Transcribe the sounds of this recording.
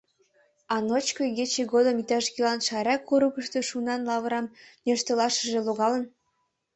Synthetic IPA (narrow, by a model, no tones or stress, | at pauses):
ɑnot͡ɕkoɣet͡ɕeɣod̪əmit̪ɑʃkelɑnʃɑɾɑkːuɾukə̆ʃt̪øʃunɑnlɑβəɾɑmnʲøʃt̪ɤlɑʃə̆ʒĕloɣɑlə̆n